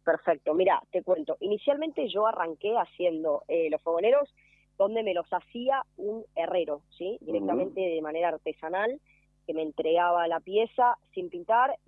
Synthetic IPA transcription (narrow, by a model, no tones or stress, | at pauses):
peɾfek̚t̪o̞miɾa̰t̪e̞kwe̞nt̪o̞ʔinisjalmẽ̞nt̪e̞ʒo̞araŋke̞asje̞nd̪o̞elo̞sfoɣone̞ɾo̞z | ðo̞nd̪e̞me̞lo̞sasiaune̞reɾo̞sid̪iɾek̚t̪amẽ̞nt̪e̞ðemane̞ɾaːɾt̪e̞sanal | ke̞meːnt̪ɾe̞ɣaβ̞alapje̞sasimpint̪aɾ